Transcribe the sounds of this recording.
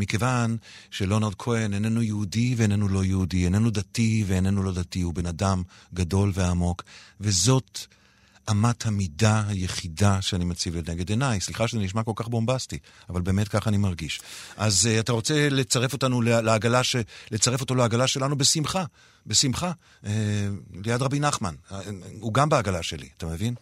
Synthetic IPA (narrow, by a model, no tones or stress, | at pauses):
mike̞van | ʃelo̞naʁˠd̚kʰoenenenujeudiveːne̞nulo̞jeudienenudativeːne̞nulo̞datihube̞nadamɡado̞lve̞amo̞kve̞zo̞t | amathamidaaje̞χidaʃeanimat͡sivelneɡedenajsliχaʃezeniʃ̬mako̞lkaχbo̞mbasti | avalbe̞ːmetkaχanimaʁɡiʃʔazataʁo̞t͡se̞le̞t͡saʁe̞fo̞tanuleleaɡalaʃelet͡saʁefo̞to̞leaɡalaʃe̞lanube̞simχa | be̞simχa | elejadʁabinaχmanuɡambeaɡalaʃe̞lḭatamevin